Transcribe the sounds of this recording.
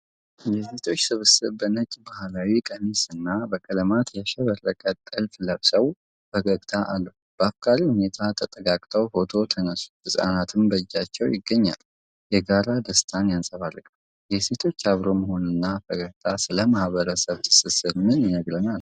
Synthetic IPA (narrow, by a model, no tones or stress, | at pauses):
jɛse̞t̪ʰo̞t͡ʃːsɨβɨsɨβbənət͡ʃʼːbahlawikʼənɨsɨnːabəkʼələmat̪jaʃɛβərːəkʼət̪ʼːɨlfləβsəw | fəɡəkʼt̪ʰaʔalːu | b̥əafkʰʼaɾihune̞t̪ʰat̪ʰət̪ʼəɡakʼt̪ʰəwfo̞t̪ʰo̞t̪ʰənəsu̥hɨsʼa̰nat̪ʰɨmbəd͡ʒːat͡ʃːɛwjɪɡːəɲːa̰l | jɛɡaɾad̪əst̪ʰanjansʼəβarːɨkʼ | jɛse̞t̪ʰo̞t͡ʃːaβɾo̞məho̞nɨnːafəɡəɡt̪ʰasɨləmahβəɾəsəβt̪ʰɨ̥sɨsɨɾmɨnjɪnəɡɾənal